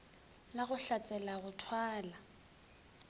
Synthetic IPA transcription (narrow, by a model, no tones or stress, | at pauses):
laɣʊɬat͡sʼɛlaɣʊtʰwaːla